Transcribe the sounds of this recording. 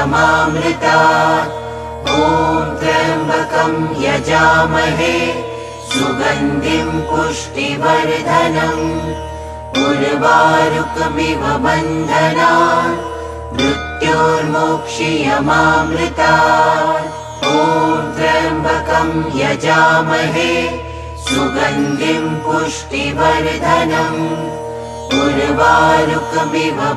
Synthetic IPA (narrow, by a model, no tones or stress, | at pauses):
maːmɾɪt̪aː | ɦoːd̪ɾɐmbʱɐkɐmjɐd͡ʒaːmɐɦe | suɡɐnd̪ʱimpuʂʈiʋɐɾd̪ʱɐnɐm | ɡuɾʋaːɾukmiʋɐbɐnd̪ʱɐnaː | mɾut̪joːɾmoːkʂijɐmaːmlɪt̪aː | oːd̪ɾɐbʱɐkɐmjɐd͡ʒaːmɐɦe | suɡɐnd̪impuʂʈiʋɐɾd̪ʱɐnɐm | buɾʋaːɾukmibʱɐ